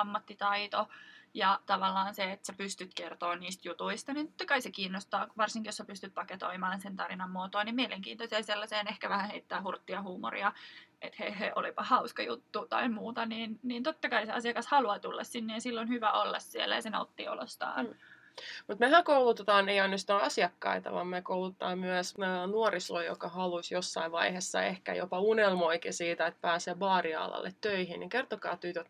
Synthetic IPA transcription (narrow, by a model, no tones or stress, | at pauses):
ɑmːɑt̪ːit̪ɑit̪ojɑt̪ɑʋɑlːɑːnseet̪sæpyst̪yt̪kert̪oːnniːst̪jut̪uist̪ɑniːnt̪o̥t̪ːɑkɑisekiːnːost̪ɑːʋɑrsiŋkijosæpyst̪yt̪̚pɑket̪o̰imɑːnsent̪ɑrinɑmːuot̪oːnimmieleŋkiːnt̪oseːselːɑseːnehkæʋæhæheit̪ːæːhurt̪ːiɑhuːmo̰rḭɑʔet̪heiheʔolipɑhɑuskɑjut̪ːut̪ɑ̰imuːt̪ɑniːnniːnt̪ot̪ːɑkɑiseɑsiɑkɑshɑluɑt̪ulːɑ̰ssinːeːnsilːonhyʋæolːɑ̰ssiḛlːæjɑsenɑ̰ut̪ːḭo̰lo̰st̪ɑ̰ːn | mut̪mehæŋkoulut̪et̪ɑːneijɑnːost̪ɑɑsiɑkːɑ̰it̪ɑ̰ʋɑ̰mmekowlut̪ɑːmmyæsnuoriso̰ijo̰kɑhɑlusjosːɑiʋʋɑihesːɑ̰ehkæ̰jo̰pɑunelmoikisiːt̪æet̪̚pæːsebɑːriɑ̰ːlɑ̰lːet̪tøihinnikert̪okɑ̰ːt̪yt̪øt̪